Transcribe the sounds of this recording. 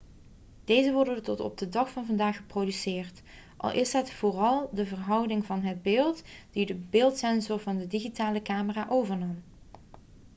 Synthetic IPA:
d̥ejzəʋɔɹdəntɔtɔ̰b̚dədɑχfɑnvɑndaːxəprowdysɪːrt | ʔɑ̰lˠʔɪ̰sɦətfʊːrɑlˠdəvərɦʌwdɪŋvɑnɦəd̚bɪːlˠtd̥idəbɪːlˠtsɛnzɔɹvɑndədiχitaːləkaːməraːʔowvəɹnɑm

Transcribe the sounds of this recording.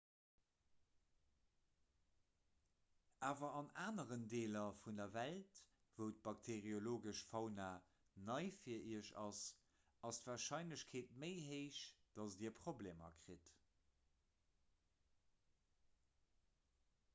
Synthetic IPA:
ʔaːvɐɑnaːnəʁəndeːlɐfundɐvælt | v̥əʊt̚b̥ɑk̚tʰeʁioloːɡəʃfɑʊnaː | nɑɪfiːɐʔiəɕɑs | ɑstvaːɐʃɑɪnləɕkʰeːtməɪɦeɪʃd̥ɑzdiːɐpʁobleːmɐ̰kʀ̥it

